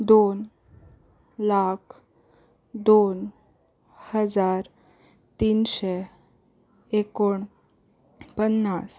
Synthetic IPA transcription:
d̪on | lakʰ | d̪on | həd͡zaɾ | t̪iːnɕe | ekoɳ | pənːas

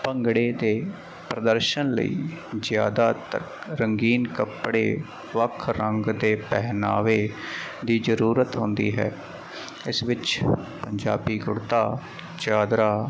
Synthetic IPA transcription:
pəŋɡɽeːd̪eː | pɾəd̪əɾʃənlə̰ḭːzjaːd̪aːt̪ə̰kɾəŋɡiːnkəpɽḛː | ʋəkʰɾəŋɡd̪eːpɛɦna̰ːʋeːd̪iːzəɾuːɾət̪ɦʊ̃nd̪ḭːɦɛ̰ː | ɪsʋɪt͡ʃpəɲd͡ʒa̰ːbiːɡʊɽt̪aː | t͡ʃaːd̪ɾaː

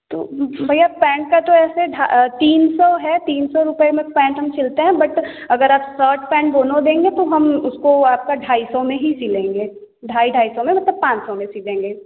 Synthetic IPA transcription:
t̪o̰ːbʱɐjapɛ̃ːɳʈ̚kat̪oɛːseɖʱat̪iːnsɔɦɛt̪iːnsɔɾʊpəemẽkpɛ̃ːɳʈɦɐmt͡ʃʰɪlt̪eɦɛ̃bɐʈ | ɐɡəɾaːpsəːɾʈʰpɛ̃ːɳʈ̚ɡoːnõd̪ẽːŋɡet̪oɦɐmʊskoaːp̚kaɖʱaːisɔmẽɦisiːlẽːŋɡeː | ɖʱaːiɖʱaːisɔmẽmɐt̪ləb̚pãːt͡ʃsɔmẽsiːlẽːŋɡeː

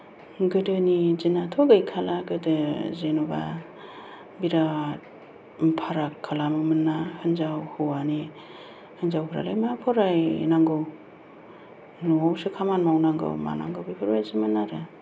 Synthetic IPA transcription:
ɡɯdɯnizinatʰoɡɯjkʰalaɡɯdɯzenuba̰ | biɾa | pʰaɾakʰːalamɯmɯnːahɯnzawhɯwani | hɯnzawkʰɾa̰lajmapʰɔɾajnaŋɡɯw | nɔwsɯkʰamanmawnaŋɡɯ̰wma̰na̰ŋɡɯwbipʰɯɾbajsɯmɯnːaɾɯ

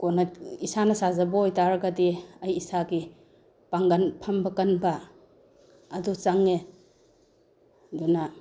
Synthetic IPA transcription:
konɐisanɐsazɐbɐojtaɾɐɡɐdiɐjːsaɡi | paŋɡɐnpʰɐmbɐkɐnbɐ | dut͡ʃaŋe | duna

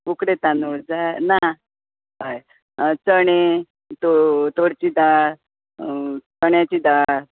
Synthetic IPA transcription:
ukɾet̪anoɽd͡zajna | paj | t͡səɽe | t̪ot̪oɽt͡ɕiːd̪aɾ | t͡səɳjat͡ɕiːd̪aɾ

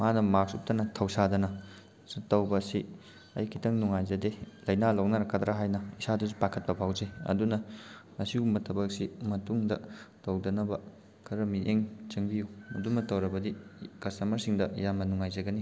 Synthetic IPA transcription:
manɐmaɾsup̚tɐnɐtʰɐwsadɐnɐ | tɐwbɐsi | ɐ̰jkʰitʰɐŋnuŋajzɐdelɐjnalownɐɾɐkːɐd̪ɾaɦajnɐisadɐzupakʰɐt̚pɐpʰawzeɐ̰dunɐ | ɐsiumbɐtʰɐbɐk̚simɐtuŋdɐtɐwdɐnɐbɐ | kʰɐɾɐmiʔeŋt͡ʃɐŋbijuudumɐtɐwɾɐbɐdikɐsɐmɐɾsiŋdɐjamːɐnuŋajzɐɡɐni

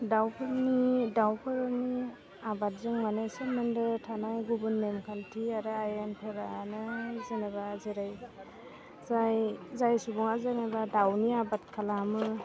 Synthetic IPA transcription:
dawpʰɯɾnidawpʰɯɾɯni | abat̚zɯŋmanesemɯndɯtʰanajɡubunːemkʰantʰiaɾɯajanpʰɯɾanɯzenaβazeɾaj | zajzajsubɔŋazeŋabadawniabat̚kʰalamɯ

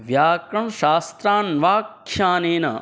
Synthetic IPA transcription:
ʋjaːkɾɐɳʃaːst̪ɾaːnʋaːkʃaːneːnɐ̰

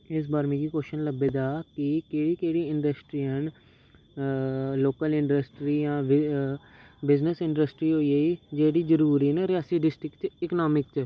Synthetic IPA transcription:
ɪs̬baːɾemĩːɡiːkoːʃənləbeːd̪aːkɪkeːɽiːkeːɽiːɪɳɖəsʈɾiːɦən | loːkəlɪ̃ɳɖəsʈɾiːjãː | bɪznəsɪ̃ɳɖəsʈɾiːɦoːiːeːiːd͡ʒeːɽiːd͡ʒəɾuːɾiːneːɾɪaːsiːɖɪsʈɾɪkt͡ʃɪknaːmɪk̚t͡ʃ

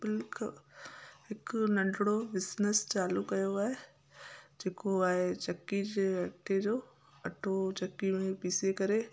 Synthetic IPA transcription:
bɪlkʰ | ɪknɐ̃ɳɖɽobɪsnəst͡ʃaːlukɐjoaːe | d͡ʒeːkoaːet͡ʃɐkːid͡ʒeɐʈʰːed͡ʒoː | ɐʈʰot͡ʃɐkːimẽpiːsekɐɾeː

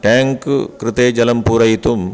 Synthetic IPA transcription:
ʈaːŋkkɾɪt̪eːd͡ʒɐlɐmpuːɾɐjit̪um

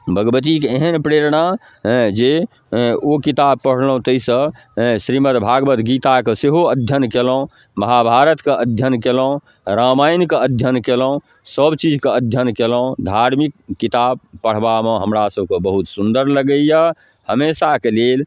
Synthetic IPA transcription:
bəɡəbət̪ikeɦənpɾeɾɳa | d͡ʒe | okit̪ab̚pəɽ̤lɦũt̪əisə̃ | sɾimət̪bʱaɡbət̪ɡit̪akeseɦoəd̪ʱjənkeləũ | məɦabʱaɾət̪keʔəd̪ʱjənkelũ | ɾamajnkeəd̪ʱjənkeləũ | səbt͡ʃid͡ʒkeəd̪ʱjənkeləũd̪ʱaɾmikːit̪ab̚pəɽ̤bameɦəmɾasəb̚ʱkebəɦut̪sund̪əɾləɡəija | həmesakelel

